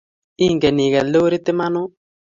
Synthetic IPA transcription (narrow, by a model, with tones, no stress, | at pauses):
i˦˨ŋɡɛ˨ni˨ɡɛ˨lo˦ɾi˦t̪ɪ˦ma˦nʊ˦